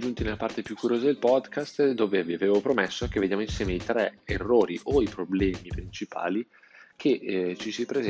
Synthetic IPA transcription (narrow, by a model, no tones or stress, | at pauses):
d͡ʒunt̪inelːapart̪epjukːuɾjoːzad̪elpɔd̪kʰast̪d̪oːveviaveːvopɾomesːok̟evːed̪jaːmoinsjɛːmeit̪ɾɛerːoːɾiʔoipɾoblɛːmipɾint͡ʃipʰa̰ːli | k̟ʰet͡ʃːisipɾez